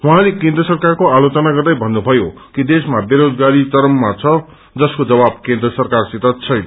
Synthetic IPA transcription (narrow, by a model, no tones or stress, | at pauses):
wɦãlekẽnd̪ɾʌsʌrkarkoalot͡sʌnaɡʌrd̪ʌjbʱʌnːubʱʌjo | kid̪esmabeɾod͡zɡaɾit͡sʌɾʌmːat͡sʰʌ | d͡zʌskod͡zʌbab̚kẽnd̪rʌsʌrkarsit̪ʌt͡sʰʌjnʌ